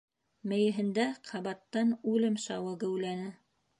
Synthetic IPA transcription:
mɘ̆jɘ̆ɦɘ̆nd̪æqʰɑβɑt̪ːɑnʉlɘmʃɑwɤɡɘ̆wlænɘ

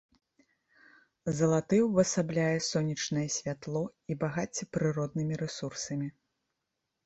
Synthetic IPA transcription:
zɐlˠat̪ɨwvɐsablʲajɛsɔnʲit͡ʂnɐjɛsʲvʲat̪lˠɔibaɣat͡sʲɛpɾɨɾɔd̪̚nɨmʲiɾɛsursɐmʲi

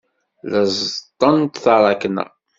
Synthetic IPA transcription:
ləzˤt̪ˤːənt̪θəɾˤɑknə̰ʁ

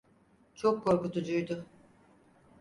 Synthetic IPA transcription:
t͡ʃʰokʰːo̞ɾkut̪ʰud͡ʒujd̪ʊ

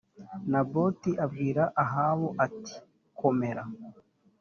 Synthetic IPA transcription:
nabo̞tiʔabɡiːɾaʔaɦaːβo̞ʔati̥ | kʰo̞me̞ɾa

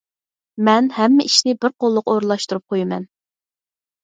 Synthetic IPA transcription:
mɛnhɛmːɪʔiʃnɪbɪɾqolˠːʊqoɾɨlˠɑʃt̪uɾup̚qʰojimɛ̰n

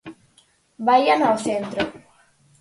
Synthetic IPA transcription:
bajanawθent̪ɾo

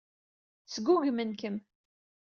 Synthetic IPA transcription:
t͡sɡʷuʝmənkəm

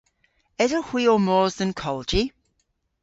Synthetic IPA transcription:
ɛzəhw̥iəmɔːzðə̃nkʰɒlˠd͡ʒi

